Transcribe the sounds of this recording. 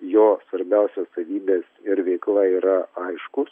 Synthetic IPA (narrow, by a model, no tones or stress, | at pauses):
joːsʋɐɾʲbʲɛʊsʲosɐʋʲiːbʲeːsɪɾʋʲɛɪklˠɐiːɾɐɐɪʃkʊs